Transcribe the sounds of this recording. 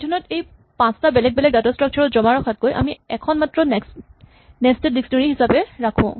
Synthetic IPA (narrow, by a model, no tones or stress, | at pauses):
tʰɔnɔtej | pãstabɛlɛk̚bɛlɛk̚datɔstɹak̚t͡ʃʰɔɹɔzɔmaɹɔkʰat̚kojʔa̰miɛkʰɔnmatɹɔ | nɛstedisnɔɹiɦisapɛɹakʰʊ̰̃